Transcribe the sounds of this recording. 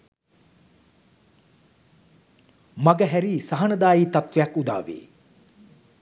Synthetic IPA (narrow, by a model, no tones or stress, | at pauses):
maɡəɦæɾiːsaɦɐnɐd̪aːjiːt̪at̪ʋejɐkːud̪a̰ːʋḛː